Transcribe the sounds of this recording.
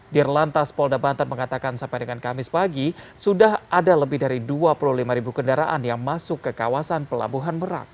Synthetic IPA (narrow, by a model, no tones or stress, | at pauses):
dirlant̪aspɔldabant̪arməŋat̪akansampajdəŋankamɪspaɡisudaɦadaləbɪhdaɾiduapululimaɾibukəndaɾaʔanjaŋmasʊkːəkawasanpəla̰buɦanməɾa̰k̚